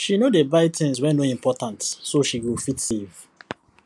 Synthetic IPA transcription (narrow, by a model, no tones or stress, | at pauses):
ʃinodebaɪtʰĩns̬wɛ̃noĩmpɔtãntsoʃiɡofitsev